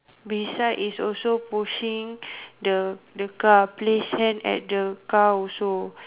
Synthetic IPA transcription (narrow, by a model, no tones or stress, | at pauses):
bisaʔisɔlsopuʃĩŋdədəkaplesɛ̃nɛ̰t̚dəkawso